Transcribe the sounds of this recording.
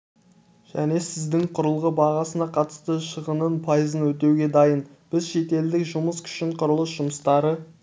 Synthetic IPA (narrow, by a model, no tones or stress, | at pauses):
ʒ̥æ̰ne̞sɪzd̪ɪŋqʰʊɾəlˠʁəbɑʁɑsənɑqʰɑt̪ə̥st̪əʃəʁənənpʰɑjəzənwɵt̪e̞wɡʲe̞d̪ɑjən | b̥ɪzʃe̞t̪e̞ld̪ɪkʒʊməskʲʰʏ̥ʃɪɴqʰʊɾəlˠəsʒʊməst̪ɑɾə